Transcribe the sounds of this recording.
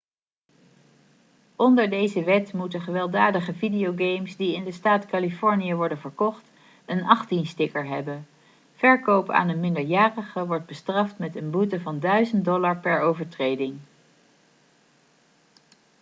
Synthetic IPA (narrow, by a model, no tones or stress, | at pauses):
ɔndəɹdejzəʋɛtmutəχəʋɛlˠdaːdəχəvidijowɡejmsdiɪndəstaːtkɑlifɔɹnijəʋɔɹdənvəɹkɔχt | ənɑχtinstɪkəɹɦɛbən | v̥ɛɹkowpa̰ːnənmɪndəɹjaːrəχəʋɔɹd̚bəstrɑftmɛtənbutəvɑndœɥzən̚dɔlaɹpɛɹowvəɹtrejdɪŋ